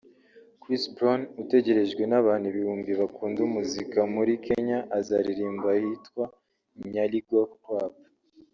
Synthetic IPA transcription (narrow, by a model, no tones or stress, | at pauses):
kɾisbɾonute̞ɟe̞ɾe̞ʒɡwe̞naβaːnuβihuːmbiβakuːndumuzikamuɾike̞ɲaʔːzaɾiɾiːmbahitwa | ɲaliɡwoktwaːpa